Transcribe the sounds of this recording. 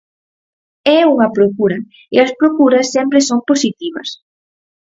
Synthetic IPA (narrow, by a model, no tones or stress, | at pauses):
ɛuŋɐpɾokuɾɐ | ɪɐspɾokuɾɐsːɛmpɾɪsomposit̪iβɐ̰s